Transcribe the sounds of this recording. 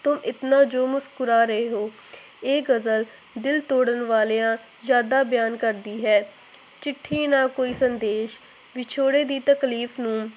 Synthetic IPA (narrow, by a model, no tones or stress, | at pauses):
t̪ʊmʔɪt̪nãːd͡ʒoːmʊskʊɾaːɾəɦeːɦoː | eːɡəzəl | d̪ɪlt̪oːɽənʋaːleːãː | zjaːd̪aːbjaːnkəɾd̪iːɦɛː | t͡ʃɪʈʰːiːnaːkoːiːsənd̪eːʃ | ʋɪt͡ʃʰoːɽeːd̪iːt̪əkliːfnũː